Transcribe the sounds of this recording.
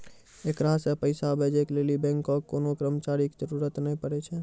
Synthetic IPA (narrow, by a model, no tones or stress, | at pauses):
ekɾasepəɪsabʱed͡ʒeklelibɛ̃ŋkːɔkːonokɾəmt͡ʃaɾikd͡ʒəɾuɾət̪nəĩpəɾɛt͡ʃʰɛ